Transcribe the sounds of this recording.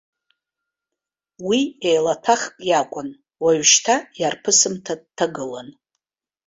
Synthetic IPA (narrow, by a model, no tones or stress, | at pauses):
wiejlatʰaχkʼjakʷʼʊn | waɥʃtʰajarpʰɨsɨmtʰad̚tʰːaɡɨlan